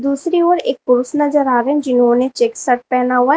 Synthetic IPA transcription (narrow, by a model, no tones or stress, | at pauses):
d̪uːsɾioːɾeːk̚pʊɾʊsnɐzəɾaːɾeɦɛ̃d͡ʒɪnɦõːnet͡ʃeːksəʈ̚pɛːnaɦua